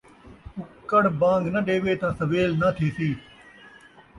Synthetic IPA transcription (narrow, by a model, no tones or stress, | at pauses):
ʊkːəɽbãːŋɡnəɗeːʋeːt̪ãːsəʋeːlnat̪ʰeːsiː